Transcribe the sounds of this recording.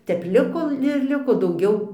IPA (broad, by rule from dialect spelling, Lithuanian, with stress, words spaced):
ˈtʲɛp ˈlʲɪkoː ɪr ˈlʲɪkoː dɐʊˈɡʲɛʊ